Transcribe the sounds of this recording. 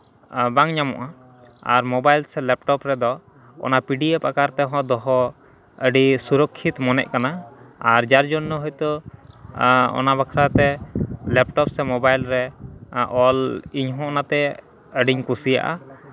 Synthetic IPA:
baŋɲamɔ̰ʔa | a̰ɾmɔbajlsɛlɛp̚ʈɔpɾɛd̪ɔ | ɔ̰napiɖiepakaɾt̪ɛɦɔ̃d̪ɔɦɔ | əɖisuɾɔkʰːit̪mɔnɛ̰ʔ̚kanaaɾd͡ʒaɾd͡ʒɔnːɔɦɔjt̪ɔ | ɔ̰nabakʰɾat̪ɛlɛp̚ʈɔpsɛmɔbajlɾɛ | ɔliɲɦɔ̃ɔnat̪ɛ | əɖiɲkusija̰ʔa̰

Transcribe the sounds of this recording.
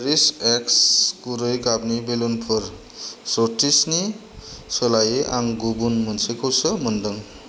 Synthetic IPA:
ɾisekskuɾʌjkabnibelonpʰʌɾ | soʈisni | sʌlajeʔaŋɡubunmʌnsekʰowsʌmʌndʌŋ

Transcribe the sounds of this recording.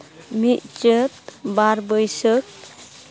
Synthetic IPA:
mit̪̚t͡ʃət̪baɾbəjsək̚

